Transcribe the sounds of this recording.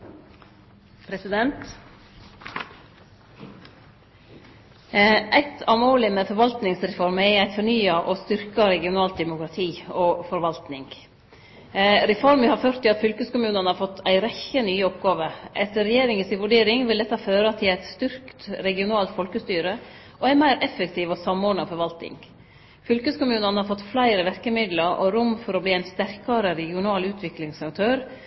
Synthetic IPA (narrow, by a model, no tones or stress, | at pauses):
pʰɾɛsɪd̪ɛnt̪ | ʔæɪt̪ʰɑmoːlɪmeːfɔɾʋɑlt̪nɪŋsɾɛfɔɾmɛæɪt̪fɔɳyːɑʔɔst̪ʏɾkɑɾɛɡɪʊnɑːlt̪̚d̪ɛmʊkɾɑt̪ʰiːɔfɔɾʋɑlt̪nɪŋɡ | ɾɛfɔɾmʋɪhɑɾføːɾt̪ʰːɪlɑt̪fʏlkəskʊmʉːnənəhɑfɔt̪ːʰæɪɾɛçənyːəɔpɡɑːʋəʔɛt̪əɾɛjeːɾɪŋənsɪʋʉɖeːɾɪŋʋɪld̪ɛt̪ːɑføːɾɑt̪ʰɪlæɪt̪st̪ʏɾkt̪ɾɛɡɪʊnɑːlt̪fɔlkəst̪yːɾə | ʔɔæmæɪɾʔɛfːəkt̪ʰiːʋɔsɑmoːɖn̩əɑfɔɾʋɑlt̪nɪ̰ŋ | fʏlkəskʊmʉːnənəhɑɾfɔt̪ːflæɪɾəʋæɾkəmɪd̪ləɾʔɔ̰ɾʊmfɔɾɔbliːæɪnst̪æɾkɑɾəɾɛɡɪʊnɑːlʉːt̪ʰʋɪklɪŋsɑk̚t̪ʰøːɾ